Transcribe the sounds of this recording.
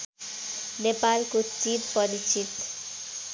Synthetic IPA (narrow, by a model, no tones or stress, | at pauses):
nepalkutt͡ʃiɾpɔɾit͡ɕit̪